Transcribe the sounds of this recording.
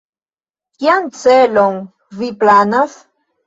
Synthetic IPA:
kjant͡seloŋ | viplanas

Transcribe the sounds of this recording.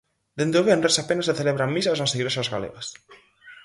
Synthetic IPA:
d̪̥end̪oβenɾesapenaseθeleβɾaŋmis̬asnaseɣiɾosazɣalḛɣas

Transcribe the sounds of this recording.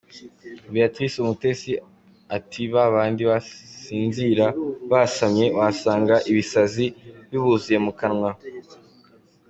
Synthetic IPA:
biatɾisumute̞si | atʰiβaβaːndiβasiːnziɾaβasamɲe̞wasaːŋɡaʔiβisaziβjiβuzije̞mukanŋwa

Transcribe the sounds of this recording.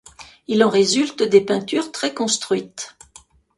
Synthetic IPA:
ilɑ̃ʁezylt̪d̪epɛ̃t̪yʁt̪χɛkɔ̃st̪χɥit̪

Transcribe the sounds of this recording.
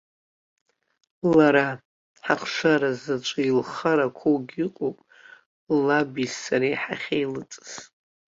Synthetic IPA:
laɾa | ħaχʂaɾazat͡ʃʷʼailχaɾakʷʰoɡʲiqʼopʼ | labisːaɾiħa̰χʲejlɨt͡sʼɨ̥z

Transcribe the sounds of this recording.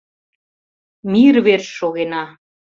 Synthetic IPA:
miɾβerʃʃoɣenɑ

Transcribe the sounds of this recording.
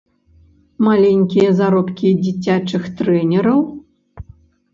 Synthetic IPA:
malʲɛnʲkʲijɐzaɾɔpkʲid͡zʲit͡sʲat͡ʂɨxt̪ɾɛnʲɛɾɐw

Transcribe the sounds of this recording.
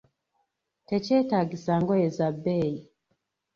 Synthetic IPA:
tɛt͡ʃɛtaɡisaŋɡɔɛzabɛi

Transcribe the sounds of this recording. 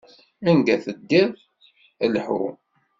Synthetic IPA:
ænɡæθəd̪ːið | əlħṵ

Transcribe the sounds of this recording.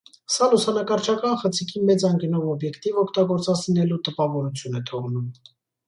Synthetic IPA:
sɑlusɑnɑkɑɾt͡ʃʰɑkɑnχət͡sʰikʰimɛt͡sɑŋkənɔvɔbjɛkt̪ivɔkʰt̪ɑɡɔɾt͡sɑt͡sʰinɛlut̪əpɑvɔɾut͡sʰjunɛt̪ʰɔʁnum

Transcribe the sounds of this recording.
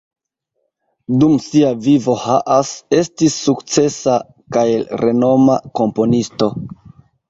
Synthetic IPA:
dumsiavivo̞haʔase̞stisːukt͡se̞sa | kajelɾʔe̞no̞mako̞mpo̞nisto̞

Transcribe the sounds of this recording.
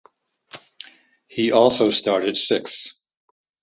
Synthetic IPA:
hiʔɔlˠsoʊstɑɹɾɨd̥sɪks

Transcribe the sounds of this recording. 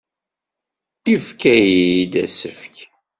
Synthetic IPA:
ifkæjid̪æ̰səfk

